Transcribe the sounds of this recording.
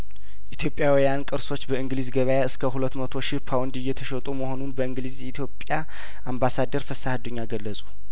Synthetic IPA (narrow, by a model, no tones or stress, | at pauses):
ʔit̪ʰjo̞pʼjawijankʼɨɾso̞t͡ʃːbəɨŋɡlizɡəβəjaɨskʰəɦulət̪ːmət̪ʰo̞ʃipʰawnd̪ɨjːɛt̪ʰəʃət̪ʼuməho̞nunbəɨŋɡlizjɛit̪ʰjo̞pʼja | ʔambasad̪əɾfəsahad̪uɲːaɡəlːəsʼu̥